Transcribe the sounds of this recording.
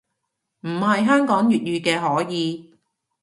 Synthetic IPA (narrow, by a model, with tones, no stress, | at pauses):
m̩˨˩ɦɐ˨jɦœː˥ŋkɔː˨˥ŋjyː˨t̚jyː˧kɛː˧ɦɔː˨˥jiː˨˧